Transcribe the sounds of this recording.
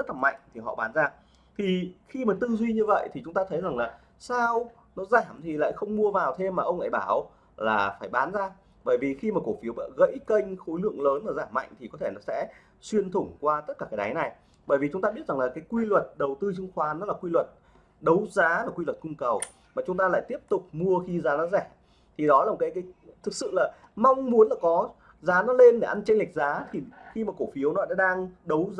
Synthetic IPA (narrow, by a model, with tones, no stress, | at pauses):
zə˦˥t̚laː˨˩ma̰˧˨jŋ̟t̪ʰi˨˩ɦɔ̰˧˨ɓaː˨˦nzaː˧ | t̪ʰi˨˩xi˧maː˨˩t̪ɨ˧zwi˧ɲɨ˧və̰˧˨jt̪ʰi˨˩t͡ɕʊ˨˦ŋ͡mt̪aː˧t̪ʰə˨˦jza˨˩ŋlaː˨˩ | saː˧w | nɔ˨˦zaː˧˩mt̪ʰi˨˩la̰ː˧˨jxə˧wŋ͡mmu˧əvaː˨˩wt̪ʰe˧mːaː˨˩ʔə˧wŋ͡mla̰ː˧˨jɓaː˧˩w | laː˨˩faː˧˩jɓaː˨˦nzaː˧ | ɓəː˧˩jvi˨˩xi˧maː˨˩ko˧˩fi˨˦əwvə̰ː˧˨ɣə̰˧˥jkə˧jŋ̟xo˨˦jlɨ̰˧˨əŋləː˨˦nʔəː˨˩zaː˧˩mːa̰˧˨jŋ̟t̪ʰi˨˩kɔ˨˦t̪ʰe˧˩nɔ˨˦sɛ̰˧˥ | swi˧ənt̪ʰʊ˧˩ŋ͡mkwaː˧t̪ə˦˥t̚kaː˧˩kaː˨˦jɗa˨˦jna˨˩j | ɓəː˧˩jvi˨˩t͡ɕʊ˨˦ŋ͡mt̪aː˧ɓi˦˥ət̚za˨˩ŋlaː˨˩kaː˨˦jkwi˧lwə˨˩t̚ɗə˨˩wt̪ɨ˧t͡ɕɨ˧ŋxwaː˨˦nɔ˨˦laː˨˩kwi˧lwə˨˩t̚ | ɗə˨˦wzaː˨˦laː˨˩kwi˧lwə˨˩t̚kʊ˧ŋ͡mkə˨˩w | maː˨˩t͡ɕʊ˨˦ŋ͡mt̪aː˧la̰ː˧˨jt̪i˦˥əp̚t̪ʊ˨˩k͡p̚mu˧əxi˧zaː˨˦nɔ˨˦zɛ˧˩ | t̪ʰi˨˩ɗɔ˨˦laː˨˩m˨˩kaː˨˦jkaː˨˦jt̪ʰɨ˨˩k̚sɨ̰˧˨laː˨˩ma˧wŋ͡mmu˨˦ənlaː˨˩kɔ˨˦ | zaː˨˦nɔ˨˦le˧nɗe˧˩ʔa˧nt͡ɕa˧jŋla˨˩k̟̚zaː˨˦t̪ʰi˨˩xi˧maː˨˩ko˧˩fi˨˦əwnɔ˨˦ɗa̰ː˧˥ɗaː˧ŋɗə˨˦w